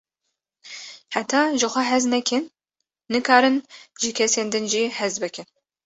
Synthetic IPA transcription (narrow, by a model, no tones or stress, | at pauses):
ħatʰaːʒɨχʷɐħɐznɐkʲʰɪnː | ɨkʰaːɾɨnʒikʰʲɛseːndɨnʒiːħɐzbɐkʰʲɪn